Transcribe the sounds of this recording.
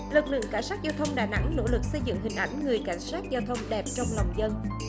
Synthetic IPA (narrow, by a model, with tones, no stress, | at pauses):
lɨ˨˩k̚lɨ̰˧˨əŋkaː˧˩˦jsaː˦˥t̚zaː˧wt̪ʰə˧wŋ͡mɗaː˨˩jna̰˧˥ŋno̰˧˥lɨ˨˩k̚sə˧jzɨ̰˧˨ŋhï˨˩ŋ̟ʔa˧˩jŋ̟ŋɨ˨˩əjka˨˦jŋ̟saː˦˥t̚zaː˧wt̪ʰə˧wŋ͡mɗɛ˨˩p̚t͡ɕɔ˧wŋ͡mlɔ˨˩wŋ͡mzə˧n